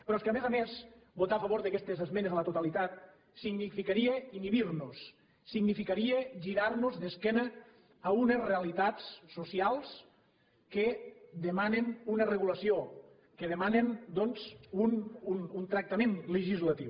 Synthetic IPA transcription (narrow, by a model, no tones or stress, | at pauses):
pɾɔskamezamesbot̪afəβoɾðəkɛst̪ezəzmenezələt̪ut̪alit̪at̪̚ | siɡnifikaɾieiniβiɾnusː | iɡnifikaɾieʒiɾaɾnuzðeskɛnəː | unezreəlit̪at͡ssusialˠs | ked̪emanenunəreɣulɐsio | keðemanend̪ɔnzunununt̪ɾək̚t̪amenləʒizlat̪iw